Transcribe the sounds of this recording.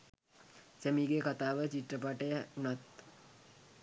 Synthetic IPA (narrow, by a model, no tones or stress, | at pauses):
sæmiɡekat̪aːʋət͡ʃiʈrəp̬aʈəjəunat̪